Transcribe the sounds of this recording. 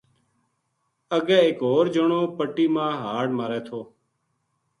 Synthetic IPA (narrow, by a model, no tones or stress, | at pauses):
əɡɛːeːkɦoːɾd͡ʒəɳoːpəʈiːmãːɦaːɽmaːɾɛːt̪ʰoː